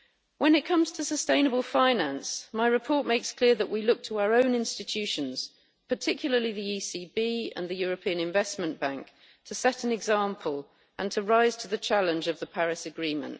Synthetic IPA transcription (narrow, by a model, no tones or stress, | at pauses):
wʔə̃nɪt̚kʰʌ̃mz̥tʰəsəstẽɪ̃nəbəlˠfãɪnãnsmaɪɹɪpʰɔˑʔmeɪkskʰl̥ɪəðəʔwilʊk̚tʰəaʊəɹə̃ʊ̃nɪ̃nstɪt͡ʃʰʉˑʃə̃nz̥ | pʰətʰɪkʰjl̩ˠəliðiiːsiːbiːə̰̃nðəjɔːɹəpʰĩə̃nɪ̃ɱvɛsmə̃nb̥ãŋk | tʰəsɛtə̃nɪɡzɑ̃ˑmpʰəl | ʔə̃ntʰəɹaɪz̥tʰəðət͡ʃʰalɪ̃nd͡ʒəvðəpʰaɹɪsəɡɹĩːmə̰̃nʔ